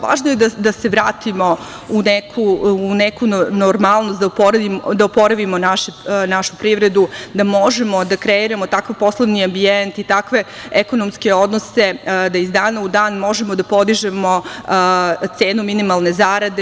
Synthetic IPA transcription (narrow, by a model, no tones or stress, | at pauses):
ʋa̰ːʒnoje̞d̪ad̪ase̞ʋɾaːt̪imo̞ | unekʰuːnekunoɾmalˠnost̪d̪apoɾaimd̪aopo̞ɾaʋimonaʃenaʃupɾiʋɾe̞d̪ud̪amo̞ʒe̞mo̞d̪akɾeiɾamo̞t̪akaʋpo̞slˠoʋniambient̪it̪akʋe̞ | eko̞nomske̞o̞d̪nose̞d̪aizd̪aːnaud̪aːnmo̞ʒemo̞d̪apo̞d̪iʒe̞mo̞ | t̪se̞ːnuminimalˠne̞zaɾad̪e